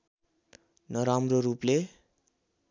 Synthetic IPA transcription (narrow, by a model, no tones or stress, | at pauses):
nʌɾamroruple